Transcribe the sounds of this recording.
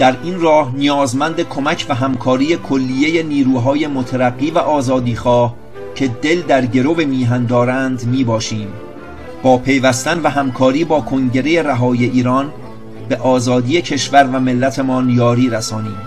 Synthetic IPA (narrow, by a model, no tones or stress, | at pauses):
d̪̥æɾiːnrɒːhnijɒːzmænd̪e̞kʰo̞mæcʰvæɦæmkʰɒːɾiːjekʰolːijeje̞niːɾuːɦɒːje̞mot̪ʰæɾæɡːiːvæʔɒːzɒːd̪iːxɒːh | cʰe̞d̪e̞ld̪æɾɟe̞ɾove̞miːɦænd̪ɒːɾænd̪miːbɒːʃiːm | b̥ɒːpʰe̞jvæst̪ænvæɦæmkʰɒːɾiːbɒːkʰo̞ŋɟe̞ɾeje̞ɾæɦɒːje̞ʔiːɾɒːn | beʔɒːzɒːd̪iːje̞cʰe̞ʃvæɾvæme̞lːæt̪ʰe̞mɒːnjɒːɾiːɾæsɒːniːm